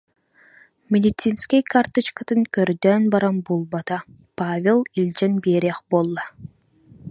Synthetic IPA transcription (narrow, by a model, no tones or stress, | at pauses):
mʲed̪ʲit̪sinskʲikart̪ɨt͡ʃkat̪ɯŋkøɾd̪øːnbɑɾɑmbulˠbɑt̪ɑ | pavʲelˠilʲd͡ʒenbeɾʲeχbolˠːɑ